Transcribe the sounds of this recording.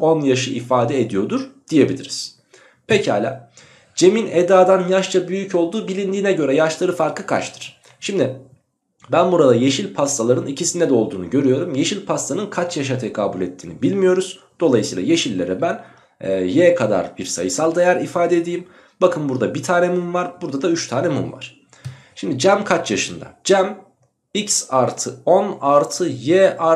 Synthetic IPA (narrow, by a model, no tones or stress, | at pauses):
o̞njaʃɯifaːd̪ɛed̪ijo̞d̪uɾ̥d̪̥ije̞bilʲḭɾiz̥ | pʰecha̰ːlʲa̰ː | d͡ʒe̞mined̪aːd̪anjaʃt͡ʃʰabyjycʰo̞lˠd̪uːbilʲind̪iːnɛɟø̞ɾɛjaʃlˠaɾɯfaɾkˠɯkʰa̰t͡ʃt̪ʰɯ̥ɾ̥ | ʃimd̪ɪ | bænbuɾad̪aje̞ʃilʲpʰast̪alˠaɾɯnicʰisinɛd̪ɛo̞lˠd̪uːnuɟø̞ɾyjo̞ɾumje̞ʃilʲpʰast̪anɯnkʰat͡ʃjaʃ̬at̪ʰekʰaːbulʲɛt̪ʰːiːnibilʲmijo̞ɾuz̥ | d̪̥o̞lˠajɯsijlˠaje̞ʃilʲːeɾɛbænː | jɛkʰad̪a̰ɾbiɾsa̰jɯsalˠd̪ajæɾifaːd̪ɛd̪ijim | bakʰɯnbuɾd̪abit̪ʰaːnɛmumvaɾbuɾd̪ad̪ayt͡ʃt̪ʰaːnɛmumva̰ɾ̥ | ʃimd̪id͡ʒæmkʰat͡ʃjaʃɯnd̪a̰d͡ʒæm | icsaɾt̪ʰɯonaɾt̪ʰɯjɛʔa